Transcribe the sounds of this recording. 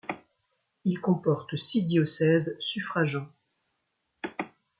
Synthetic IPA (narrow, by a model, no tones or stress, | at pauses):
ilkɔ̃pɔʁt̪sid̪jɔsɛzsyfχaʒɑ̃